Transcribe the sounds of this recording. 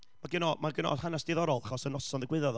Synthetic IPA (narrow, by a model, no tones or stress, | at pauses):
mmaɡɪnɔmaɡɪnɔ̰hanasd̥ɪðɔɾɔlˠaχɔsənɔsɔnðɪɡwɪðɔð